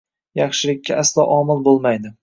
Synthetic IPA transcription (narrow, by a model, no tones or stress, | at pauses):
jɑχʃɪlɪkʲʰːaʔaslˠɒʔɒmɪlˠbolˠmajd̪ɪ